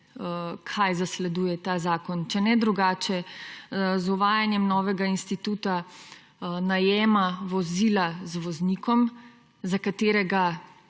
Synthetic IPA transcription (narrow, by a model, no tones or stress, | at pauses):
kʰajzaslɛd̪uːjɛt̪azaːkɔnt͡ʃɛnɛd̪ɾuɡaːt͡ʃɛ | zuʋaːjanjɛmnɔːʋɛɡainst̪it̪uːt̪a | najɛːmaʋɔzilazʋɔznikʰɔm | zakat̪eːɾɛɡa